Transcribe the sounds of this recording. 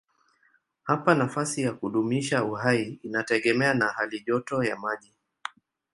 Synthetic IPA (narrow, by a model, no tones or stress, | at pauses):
hapanafasijakuɗumiʃauhaiinatɛɠɛmɛanahaliʄɔtɔjamaʄi